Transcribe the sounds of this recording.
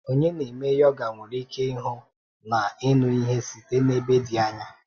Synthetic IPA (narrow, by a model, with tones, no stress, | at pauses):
o˦ɲe˦ne˨me˦jɔ˦ɡa˨ŋʷʊ˨ɾi˦ke˦i˦ɦʊ˦ | na˨ɪ˦nʊ˦i˦ɦe˦si˨te˦ne˦be˦di˨a˦ɲa˦